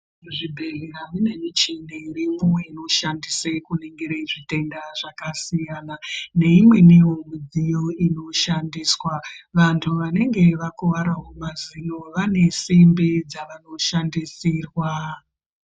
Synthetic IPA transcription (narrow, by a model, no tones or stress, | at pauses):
ʐibʱe̞ɮeraʋine̞mit͡ʃinerimumwe̞ino̞ʃandisekuneŋɡiɾeʐite̞ndaʐakasijanane̞imwe̞niwo̞mid͡zijo̞ino̞ʃandiːswaʋantʰuʋane̞ŋɡe̞ʋakuʋaɾaɦomazino̞ʋane̞simbid͡zaʋano̞ʃandisiːrwa